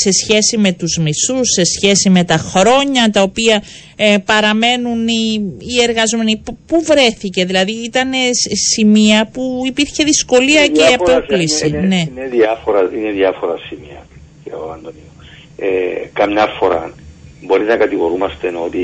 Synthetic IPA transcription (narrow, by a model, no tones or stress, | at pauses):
se̞sçe̞sime̞t̪uzmisusːe̞sçe̞sime̞t̪ɐxɾo̞ɲɐt̪ɐo̞piɐ | pɐɾɐme̞nuniːe̞ɾɣɐzo̞me̞nippuvɾe̞θice̞ðilɐðiit̪ɐne̞simiɐpuipiɾçe̞ðisko̞liɐceɐpoklisine̞neðiɐfoɾɐineðiɐfoɾɐsimiɐ | ceoɐnd̪onio | ekɐmɲɐfo̞ɾɐ̰bo̞ɾiznɐkɐt̪iɣo̞ɾumɐst̪enot̪i